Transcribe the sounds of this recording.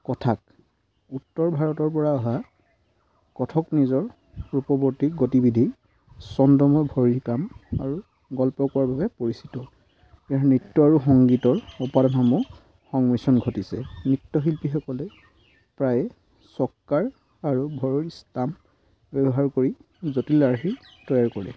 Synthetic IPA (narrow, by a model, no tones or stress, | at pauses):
kɔtʰak̚ | utːɔɹbʱaɹɔtɔɹpɔɹaɔɦa | kɔtʰɔknizɔɹ | ɹupɔboɹtiɡotibidʱi | sɔndɔmɔjbʱɔɹiɹkama̰ɹu | ɡɔlpɔkɔaɹbʱabɛpoɹisitɔ | ɛaɹnɹitːɔaɹuxɔŋɡitɔɹɔpadɔnamu | xɔŋmisɔnɡʱotisɛ̰nɹitːɔɦilpixɔkɔlɛ | pɹaj | sɔkkːaɹ | aɹubʱɔɹɔɹistam | bjɛbɔɦaɹkoɹi | zotilaɹxi | tɔjaɹkɔɹɛ̰